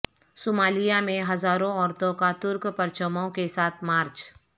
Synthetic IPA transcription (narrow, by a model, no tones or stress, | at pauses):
soːmaːlijamẽɦɐzaːɾõɔːɾt̪õkat̪ʊɾkpɐɾt͡ʃəmõkesaːt̪ʰmaːɾt͡ʃ